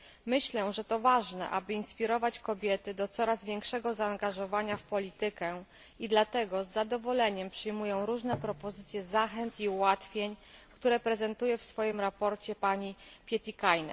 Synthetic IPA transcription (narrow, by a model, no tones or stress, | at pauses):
mɘɕlɛʐɛt̪ɔvaʐnɛ̰ʔa̰bɘinspʲiɾɔvat͡ɕkɔbʲjɛt̪ɘd̪ɔt̪sɔɾazvʲjɛŋkʂɛɡɔzaːŋɡaʐɔvaɲafpɔlʲit̪ɘkɛ | id̪lat̪ɛɡɔzːad̪ɔvɔlɛɲɛmpʂɘjmujɔ̃w̃ɾuʐnɛpɾɔpɔzɘt̪sʲjɛzaxɛnt̪iuwat̪fʲjeɲkt̪uɾɛpɾɛzɛnt̪ujɛfsfɔjimɾapɔɾt͡ɕɛpaɲipʲjɛt̪ʲikajnɛ̰